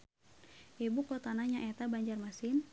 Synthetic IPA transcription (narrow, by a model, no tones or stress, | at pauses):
ʔebukɔt̪anaɲaʔɛt̪abaɲd͡ʒarmasɪn